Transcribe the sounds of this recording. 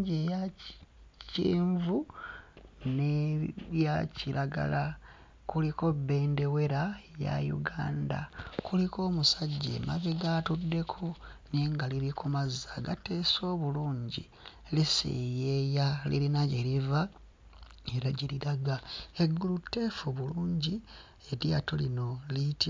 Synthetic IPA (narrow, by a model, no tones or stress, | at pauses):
ɟeja | ciːɱvu | nejaciɾaɡa̰la | kuliko̞be̞ːnde̞we̞ɾaja̰jṵɡaːnda̰kulikʰo̞ːmusaɟːḛma̰βeɡatudːe̞kʰo̞neŋɡaliɾikʰumazːaɡate̞ːso̞ːβuluːɲɟi | lisḛjejalḭlinaɟeɾiva | e̞ɾaɟiliɾaɡaeɡulutːe̞ːfuβuluːɲɟi | e̞ɾjatolino̞liti